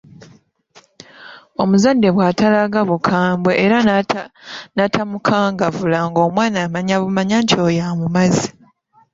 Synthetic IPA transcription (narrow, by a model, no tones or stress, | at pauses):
o̞muzadːe̞βwaːtalaɡaβukʰaːmbweʔːɾa | natʰamukʰaːŋɡavulaŋɡo̞ːmwaːnaːmaɲaβumaɲaɲcʰoːjamumazi̥